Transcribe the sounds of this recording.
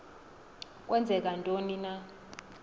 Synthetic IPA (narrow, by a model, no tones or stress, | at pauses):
kʼwɛnd͡zʱɛk̬ʼantʼonina